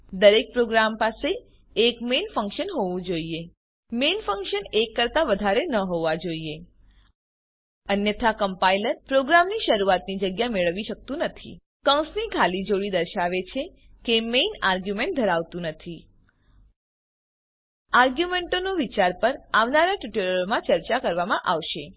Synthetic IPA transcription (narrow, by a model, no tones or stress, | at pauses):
d̪əɾek̚pɾoɡɾampaseː | kmenfə̃ŋkʃənɦoʋũd͡ʒoie | menfəŋkʃənekːəɾt̪aʋəd̪ʱaɾenəɦoʋad͡ʒoie | ənjət̪ʰakəmpailəɾpɾoɡɾamniʃəɾuat̪nid͡ʒəɡjameɭəʋiʃək̚t̪ũnət̪ʰḭ | kə̃wsnikʰalid͡ʒoɭid̪əɾʃaʋet͡ʃʰe | kemenaɾɡjumẽɳʈ̚d̪ʱəɾaʋt̪ũnət̪ʰi | aɾɡjumeɳʈonoʋit͡ʃaɾpəɾaʋnaɾaʈuʈeləɾomãt͡ʃəɾt͡ʃakəɾʋamãʔaʋʃe